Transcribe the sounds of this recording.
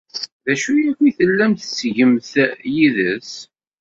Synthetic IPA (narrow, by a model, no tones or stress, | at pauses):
ðæʃujækʷːiθəlːæmt̪sʝəmθjiðəs